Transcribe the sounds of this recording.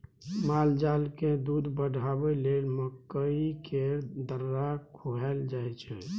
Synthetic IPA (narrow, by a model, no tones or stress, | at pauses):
mald͡ʒalked̪ud̪bəɖʱabɛlelməkːəikʰeɾd̪əɾːakʰoɦɛld͡ʒajt͡ʃʰɛ̰